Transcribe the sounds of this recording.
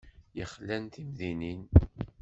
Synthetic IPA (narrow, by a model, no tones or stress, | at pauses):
jəχlænt̪imðinin